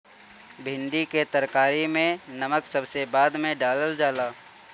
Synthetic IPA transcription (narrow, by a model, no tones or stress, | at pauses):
bʱɪ̃ɳɖiket̪əɾkaːɾimẽnɐməksɐbsebaːd̪mẽɖaːləld͡ʒaːlaː